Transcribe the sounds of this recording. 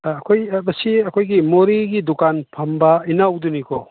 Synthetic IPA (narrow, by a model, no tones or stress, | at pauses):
ɐkʰojbɐsiɐkʰojɡimoɾiɡidukanpʰɐmbɐinawdunikʰɔ